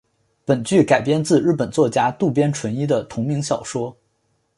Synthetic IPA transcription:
pə˨˩nt͡ɕy˥˩ka˨˩ɪpjɛ˥nt͡sɹ̩˥˧ɻ̩˥˩pə˨˩nt͡swɔ˥˩t͡ɕja˥t̪u˥˩pjɛ˥nʈ͡ʂʰwə˧˥ni˥d̪ə˨t̪ʰʊ˧˥ŋmi˧˥ŋɕjɑ˨˩ʊʂwɔ˥

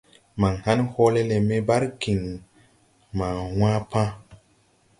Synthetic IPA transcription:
ma˨ŋhã˦nho˦le˦le˨me˦ba˦ɾki˨ŋ | mã˨wã˦pã˦

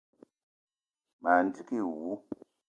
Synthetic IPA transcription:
ma˨n̩˦ti˦ki˦˨wu˨˦

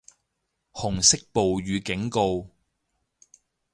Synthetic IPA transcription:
hʊ˨˩ŋsɪ˥k̚po˨wɥyː˨˧kɪ˨˥ŋko˧w

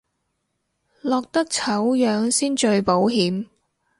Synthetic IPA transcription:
lɔː˨˩k̚t̪ɐ˥k̚t͡sʰɐ˨˥wjœː˨˧ŋsiː˥nt͡ʃɵ˧ɥpo˨˥wɦiː˨˥m

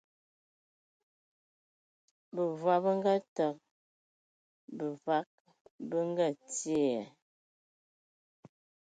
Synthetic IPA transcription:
bə˨vwa˨bə˦ŋ˦ɡə˦˨tə˨k̚ | bə˨va˨˦k̚ | bə˦ŋ˦ɡə˦˨tje˦˨ɛ˨

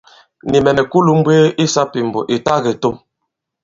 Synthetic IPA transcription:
ni˨mɛ˨mɛ˨ku˦lu˦m̩˦bweː˦ʔi˦sa˦pi˨m˨bɔ̰˨ʔe˨ta˦ɣe˨to˦m

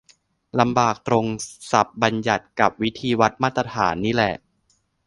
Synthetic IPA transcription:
la˧mbaː˨˩k̚t̪ɾo˧ŋsa˨˩p̚ba˧nja˨˩t̪̚ka˨˩p̚wi˦˥t̪ʰiː˧wa˦˥t̪̚maː˥˩t̪ɾa˧t̪ʰaː˩˦nːiː˦˥lɛ˨˩ʔ

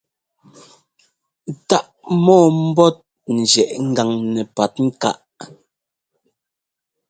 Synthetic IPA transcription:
ta˦ʔmɔː˦˨m̩˦bɔ˦t̚ | n̩˨d͡ʒjɛ˨ʔŋ̩˦ɡa˨ŋnɛ˨pa˨t̚ŋ̩˦ka̰˦ʔ

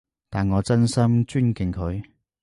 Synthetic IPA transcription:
t̪aː˨nŋɔː˨˧t͡sɐ˥nsɐ˥mt͡ʃyː˥nkɪ˨˩nkʰɵ˨˧ɥ

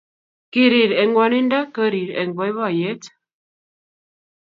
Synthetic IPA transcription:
ki˦ɾi˨ɾe˨ŋ˦ɡʷwa˨ni˦n˦da˦kə˦ɾi˨ɾḛ˨ŋ˨ɡɔ˨i˦βɔ˦˨je˦t

